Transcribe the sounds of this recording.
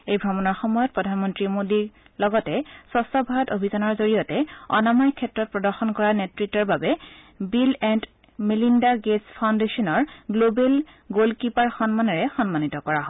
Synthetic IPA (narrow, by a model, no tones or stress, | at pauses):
ejbʱɔmɔnɔɹxɔmɔjɔt̚pɹɔdʱanmɔntɹimodi | lɔɡɔtɛsɔstɔbʱaɔtobʱizanɔɹzoɹijɔtɛɔ̰namajkʰɛtɹɔt̚pɹɔdɔɹxɔnkɔɹanetɹitːɔɹbabɛ | bilɛnd | melindaɡespʰaw̃ndesɔnɔɹɡlobel | ɡolkipaɹxɔnmanɔɹɛxɔnmanitɔkɔɹaɦɔ